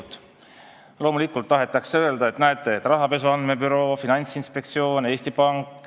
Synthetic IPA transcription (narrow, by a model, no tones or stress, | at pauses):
t̪ːˑ | lo̞ːmulikːˑult̪ːɑɦe̞t̪ːˑɑkseøe̞ld̪ɑe̞t̪næet̪ːˑeet̪ːˑrɑɦɑpe̞suɑnd̪̥me̞byɾo̞ːfinɑnʲsinspe̞kt̪sio̞ːne̞ːsʲt̪ipɑŋkːˑ